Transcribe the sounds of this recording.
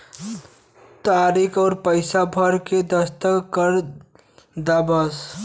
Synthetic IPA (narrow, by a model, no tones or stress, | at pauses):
t̪aɾikʰɔːɾpəɪsabʱəɾked̪əst̪əkəɾ | d̪abəs